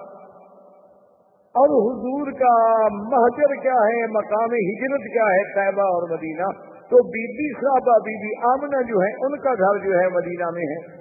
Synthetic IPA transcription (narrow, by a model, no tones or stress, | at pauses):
ɔːɾɦʊzuːɾkamɐɦd͡ʒəɾkjaːɦɛmɐkaːmeɦɪd͡ʒɾət̪kjaːɦɛt̪aːbaɔːɾmɐd̪iːnaː | t̪oːbiːbisaːbaːbiːbʱiʔaːmnãd͡ʒoːɦɛʔʊnkaɡ̪ʱɐɾd͡ʒoːɦɛmɐd̪iːnamẽɦɛː